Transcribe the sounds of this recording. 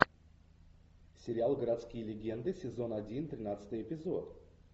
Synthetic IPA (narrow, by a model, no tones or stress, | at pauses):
sʲɪɾʲɪalˠɡəɾɐt̪skʲijlʲɪɡʲend̪ɨsʲɪzo̞nɐdʲint̪ɾʲɪnat̪sɨ̥t̪ɨjɪpʲɪzo̞t̪